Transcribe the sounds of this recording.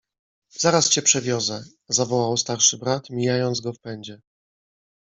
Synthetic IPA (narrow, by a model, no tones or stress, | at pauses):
z̥aɾast͡ɕɛpʂɛvʲjɔzɛ | zavɔwawst̪aɾʂɘbɾat̪mʲijajɔnd̪zɡɔfpɛɲd͡ʑɛ